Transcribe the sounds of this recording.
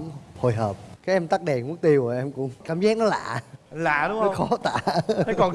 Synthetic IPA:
ho˧˨jɦəː˨˩p̚kaː˨˦jʔɛ˧mt̪a˦˥k̚ɗɛ˨˩nŋu˦˥k̚t̪i˧wə˨˩ʔɛ˧mkʊ̰˧˥ŋ͡mkaː˧˩mzaː˦˥k̚nɔ˨˦la̰ː˧˨la̰ː˧˨ɗʊ˨˦ŋ͡mɔ˦˧xɔ˨˦t̪a̰ː˧˩˦ɔ˨˩n

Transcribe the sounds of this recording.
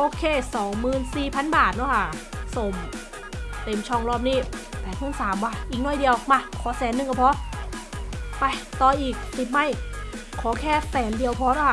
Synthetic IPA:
ʔoː˧kʰeː˧˩sɔː˩˦ŋmɯː˨˩nsiː˨˩pʰa˧˥˨nbaː˨˩t̪̚nɔ˧˥˩kʰa˧˥˩so˨˩m | t̪e˧˩mt͡ɕʰɔː˧˩ŋɾɔː˧˥˩p̚niː˥˩pɛː˨˩t̪̚ʰɯ˧˥˩nsaː˩˦mwaː˧˩ʔiː˨˩k̚nɔː˧˥˩jdi˧əwmaː˧˩kʰɔː˨˦sɛː˨˩˦nːɯ˧ŋka˧˩pʰɔ˦˥ | pa˧jt̪ɔː˧ʔiː˨˩k̚si˨˩ma˧˥˩j | kʰɔː˩˦kʰɛː˥˩sɛː˩˦ndi˧əwpʰɔː˧˥ɾnaː˧˥˩kʰ

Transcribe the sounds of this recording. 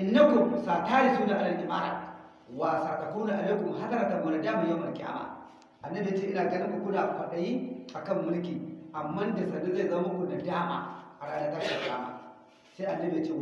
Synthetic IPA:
ɪ˨nːa˦ku˨msa˨ta˦ɾi˨su˦na˨ʔa˨lɐ˨n˨kʲi˨ma̰˦ɾa̰˨ | wa˨sa˨ka˨ku˦na˨ʔa˨na˦ku˨m˨ɦa˦sɐ˦ɾa˨tɐ˨mːu˨na˨daː˦ma˨ja˦mɐ˨kʲʼa̰ː˦ma̰˨ | ʔa˨nːɐ˦bi˨a˦t͡ʃe˦ʔɪ˦na˨ɡɐ˦ni˦kʷu˨kʷu˦da˨kʷa˨ɗa˨ji˦a˨kɐ˦˨mːʊ˦lk̬ʲi˨ʔa˨mːɐ˦nda˨sɐ˨du˦za˦˨jzɐ˦ma˦ma˦kʷu˨na˨daː˦ma̰˨ʔa˨ɾa˦a˦da˨ta˦a˨kaː˦ma̰˨ | sa˦ʔa˨nːɐ˦bi˨ja˦t͡ʃe˦˨

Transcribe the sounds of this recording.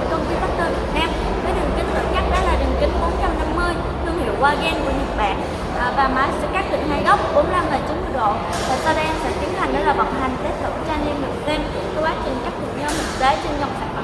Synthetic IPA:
kə˧˩ŋ͡mki˨˦ɓa˦˥t̚t̪ɨ˨˩vḭ˨˩k̚naː˧m | vəː˨˦ɗɨ˨˩ŋkï˨˦ŋ̟zə̰˧˩nɲa˦˥t̚ɗa̰˨˦˥laː˨˩ɗɨ˨˩ŋkï˨˦ŋ̟ɓo˨˦nt͡ɕa˧mna˧mːɨ˧əj | t̪ʰɨ˧əŋhḭ˧˩əwkwaː˧ɣɛ˧nku˧˩əɲɨ̰˨˧˥k̚ɓa̰ː˧˨n˨˩ | vaː˨˩maː˨˦jsɛ̰˧˥kaː˦˥k̚t̪ḭ˧˨ŋha˨˩˦jɣɔ˦˥p̚m̚˨˩ɓo˨˦nm˧la˧mŋəː˨˩t͡ɕʊ˨˦˨ɗo̰˧˨ | t̪əː˨˩sa˧ɗə˧ʔsa̰ː˧˥t̪i˨˦ənt̪ʰa˨˩jŋ̟ɗə˨˦laː˨˩va̰˧˨˩wŋ͡mha˨˩jŋ̟t̪e˦˥t̚ɗə̰˧˩t͡ɕaː˧ni˧nlɨ̰˧˩əse˧m | t̪ʰɛ˧wɓaː˨˦˥t͡ɕï˨˩ŋ̟kaː˦˥k̚t̪ʰɨ̰˧˩˨ɲəː˧mɨ˨˩ze˨˦t͡ɕe˧nza˨˩wŋ͡msa˧˩k

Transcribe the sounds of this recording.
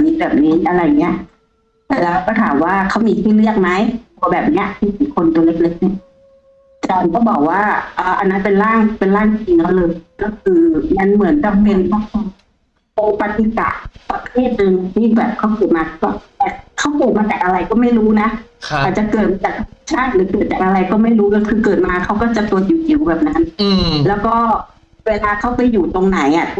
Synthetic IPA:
miː˧˥bɛː˨˩p̚niː˦˥ʔa˧ɾa˧jŋːi˦˥ɐ˧˨˩ʔ | lɛː˦˥˧kɔː˥˩t̪ʰaː˩˦mwaː˥˩kʰa˦˥wmiː˧t̪ʰiː˥˩lɯ˥˩ək̚ma˦˥jt̪ʰuː˧ɐbɛː˨˩p̚ni˦˥ɐ˨t̪ʰiː˥˩kiː˨˩kʰo˧nt̪u˧le˦˥˩t̚le˦˥k̚ni˧˥˩ə | t͡ɕɔː˧nkɔː˥˩bɔː˨˩k̚waː˥˩ʔɤː˨˩ʔa̰˧nːa˦˥npe˧nlaː˥˩ŋ˩pe˧nlaː˥˩ŋ˧t͡ɕi˧ŋkʰa˦˧˥wlɤː˧jkɔ˥˩kʰɯː˧ma˧˦nmɯ˩˦nka˧mme˧ŋkʰa˧˥˩kʰɔ˧ŋ | po˧pa˧t̪i˧ka̰˨˩ʔpa˧t̪ʰeː˥˩t̪̚nɤː˧na˧˩t̪ʰiː˥˩bɛː˨˩p̚kʰa˦˥wkɤː˨˩t̪̚maː˧kʰa˥ɔ˥˩t̪ɛː˨˩kʰa˦˥˩wkɤː˨˩t̪maː˧t͡ɕaː˨˩k̚ʔa˧ɾa˧jkɔː˥˩ma˥˩jɾuː˦˥na˦˥ʔʰʔaː˨˩t̪̚t͡ɕa˨˩kɤː˨˩t̪̚maː˧t͡ɕaː˨˩t̪ʰt͡ɕʰaː˥˩t̪̚ɾɯː˩˦kɤː˨˩t̪̚t͡ɕaː˨˩k̚ʔa˧ɾa˧jkɔː˥˩ma˥˩jɾuː˦˥kɔ˥˩kʰɯː˧kɤː˨˩t̪̚maː˧kʰa˦˥wkɔː˥˩t͡ɕa˨˩ku˧ət̪̚ju˨˩ki˨˩wbɛː˨˩p̚na˦˥nlɛː˦˥wkɔː˥˩ | weː˧laː˧kʰa˦˥wpa˧juː˨˩t̪o˧ŋna˨˩˦jʔa˨˩

